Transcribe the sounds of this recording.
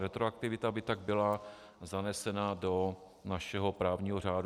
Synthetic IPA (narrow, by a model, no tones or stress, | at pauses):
ɾɛt̪ɾoak̚t̪ɪvɪt̪abɪt̪aɡ̚bɪla | zanɛsɛnado | naʃɛɦo̞pɾaːvɲiːɦor̝aːd